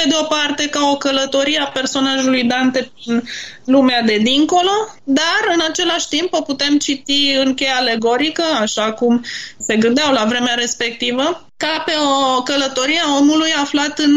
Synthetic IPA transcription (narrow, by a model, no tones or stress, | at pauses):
pe̞d̪eo̞part̪e̞kao̞kələt̪o̞ɾieape̞rso̞naʒulujd̪ant̪e̞pɾinlumead̪e̞d̪iŋko̞lo̞d̪arɨnat͡ʃe̞laʃʲt̪impo̞put̪e̞mt͡ʃit̪iɨŋkʲe̞jaːle̞ɡo̞ɾikəaʃakumse̞ɡɨnd̪eawlavɾe̞meaɾe̞spe̞k̚t̪ivə | kape̞okələt̪o̞ɾiao̞mulujaflat̪ɨn